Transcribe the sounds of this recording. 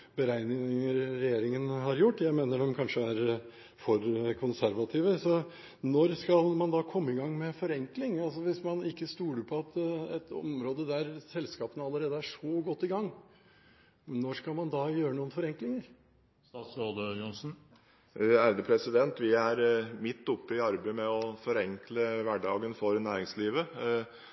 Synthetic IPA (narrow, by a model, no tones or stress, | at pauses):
bəɾæɪnɪɪəɾːɛjeːɾɪŋənɦɑɾjʊʈːjæɪmeːnəɖɔmkʰɑnʂəæɾ | fɔɾkʰʊnsæɾʋɑt̪ʰiːʋəsɔ | nɔɾskɑlmɑnd̪ɑːkʰɔmːəɪɡɑŋːmɛfɔɾɛŋklɪŋɑls̬ɔʋɪsmɑnɪkːəst̪uːləpʰɔɑt̪ɛt̪ʰɔ̰mɾoːd̪əd̪æɾsɛlskɑːpənəɑlːəɾeːd̪əæʂɔɡɔt̪ːɪɡɑŋː | nɔɾskɑlmɑnd̪ɑːjøːɾənuːənfɔɾɛŋklɪŋəɾ | sɾoːd̪əjɔnsn̩ | æɾd̪əpʰɾɛsɪd̪ɛnt̪ʋɪæɾmɪt̪ːʊpːəɪɑɾbeɪmɛɔfɔɾɛŋkləʋæɖɑːɡənfɔɾnæːɾɪŋsliːʋə